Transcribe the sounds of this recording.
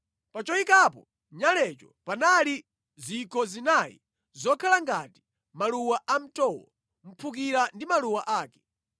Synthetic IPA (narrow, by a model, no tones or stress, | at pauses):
pat͡ʃɔikapɔ | ɲalɛt͡ʃɔpanali | zikʰɔzinajḭ | zɔkʰalaŋɡati̥ | maluwaʔam̩tɔwɔ̰ | m̩pʰuk̬iɾandimaluwaʔaːkɛ̥